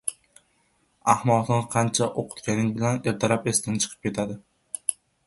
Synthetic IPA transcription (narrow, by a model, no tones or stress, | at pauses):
ahmɒt̪nqʰɑnt͡ʃʰaʔoqʰʊ̥t̪kʲanɪŋbɪlaneɾt̪ʰaɾapest̪ɪnɪt͡ʃʰɨ̥qʰɨ̥p̚kʲe̞t̪ʰad̪ɪ